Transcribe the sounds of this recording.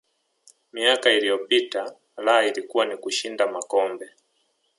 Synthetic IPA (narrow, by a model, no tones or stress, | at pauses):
miakailijɔpita | laailikuwanikuʃindamakɔmbɛ